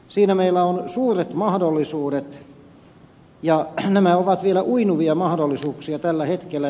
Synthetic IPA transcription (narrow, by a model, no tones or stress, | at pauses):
siːnæmeilːæonsuːret̪mɑhdolːisuːɾet̪ | jɑnæmæoʋɑt̪ʋielæʔuinuʋiɑmɑhdolːisuːksiɑt̪ælːæhet̪kelːˑæ